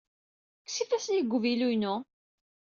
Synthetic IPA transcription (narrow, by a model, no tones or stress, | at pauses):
ksifæsniɡʷːvilujnʊ